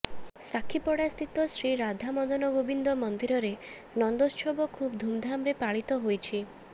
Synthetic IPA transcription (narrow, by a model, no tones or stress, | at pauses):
sakʰipɔɽast̪ʰit̪ɔsɾiɾad̪ʱamɔd̪ɔnɔɡobind̪ɔmɔnd̪iɾɔɾe | nɔnd̪ost͡ʃʰobɔkʰubd̪ʱumd̪ʱamɾepaɭit̪ɔɦojt͡ʃʰi